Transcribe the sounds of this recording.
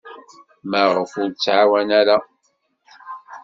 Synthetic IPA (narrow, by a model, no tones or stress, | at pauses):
məʁəfʊɾt͡sːʕawænæɾa